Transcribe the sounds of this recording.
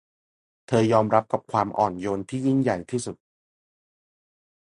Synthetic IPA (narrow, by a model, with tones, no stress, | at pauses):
t̪ʰɤː˧jɔː˧mɾa˦˥p̚ka˨˩p̚kʰwaː˧mʔɔ̰ː˨˩njo˧nt̪ʰiː˥˩ji˥˩nja˨˩jt̪ʰiː˥˩su˨˩t̪̚